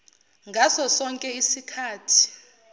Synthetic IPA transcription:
ŋɡʱasɔsɔŋkʼɛisikʰaːtʰi̥

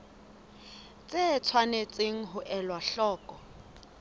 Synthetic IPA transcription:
t͡sʼet͡sʰwanet͡sʼeŋ̩ɦʊʔɛlwaɬɔːkʼɔ

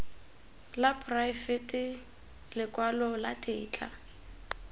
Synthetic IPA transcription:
lapʰʼrajfɛtʼɪ | lɪkʼwalɔlatʼɪːt͡ɬʰʼa̰

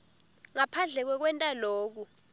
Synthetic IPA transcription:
ŋapʰand͡ɮʱɛk̬wɛk̬wɛntʼaloːk̬u

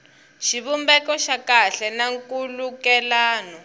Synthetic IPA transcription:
ʃiβumbɛkɔʃakaɬɛnaŋkulukɛlaːnɔ

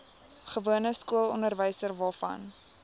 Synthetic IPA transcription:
χəvuənəskuəlˠɔ̰ndərvəjsərvɑːfɐ̰n

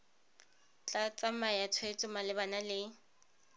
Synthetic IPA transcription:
t͡ɬʼat͡sʼamajat͡sʰwet͡sʼʊmalɪbanalɪ

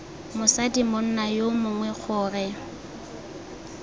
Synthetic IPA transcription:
mʊsadimʊn̩najomʊŋwɛk͡xʰʊːrɛ

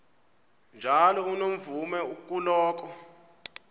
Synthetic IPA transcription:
nd͡ʒʱalɔunom̩vumɛukʼulɔːk̬ɔ

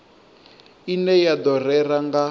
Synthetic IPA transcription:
inɛjad̪ɔrɛraŋɡa

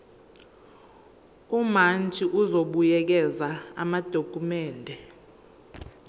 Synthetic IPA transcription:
umand͡ʒʱiʔuzoɓujɛk̬ɛzaa̰mad̥ʱokʼumɛːndʱɛ

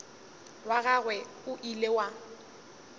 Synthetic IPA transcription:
waɣaɣwɛ | ʊʔilewa

